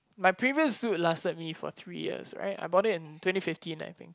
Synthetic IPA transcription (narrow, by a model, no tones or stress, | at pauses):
majpʰɹiviəsːut̚lastət̚mifɔ̰θɹḭjḭsɹa̰ɪta̰ɪbɔɾɪtɪ̃ntwɛ̃ntifɪftʰĩna̰jt̪ʰɪ̰̃ŋk̚